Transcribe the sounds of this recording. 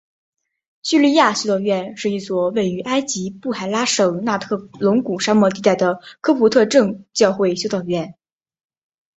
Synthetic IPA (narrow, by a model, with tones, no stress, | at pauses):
ɕy˥˧li˥˧ja˥˩ɕjo˥ʊt̪ɑ˥˧ʊɥɛ˥˧nʂɻ̩˥˧i˥˩swɔ˨˩we˥˩ɪy˧˥ʔa˥ɪt͡ɕi˧˥pu˥˩xa˨˩ɪla˥ʂɤ˨˩ŋna˥˧t̪ʰɤ˥˩lʊ˧˥ŋku˨˩ʂa˥mwɔ˥˧t̪i˥˧t̪a˥˩ɪd̪ə˩kʰɤ˥pʰu˧˥t̪ʰɤ˥˧ʈ͡ʂɤ˥˧ŋt͡ɕjɑ˥˧ʊxwe˥˧ɪɕjo˥ʊt̪ɑ˥˧ʊɥɛ˥˩n